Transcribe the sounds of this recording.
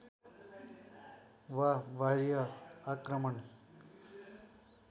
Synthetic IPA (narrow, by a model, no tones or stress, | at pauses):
ʋaʋaɾjaakɾəməni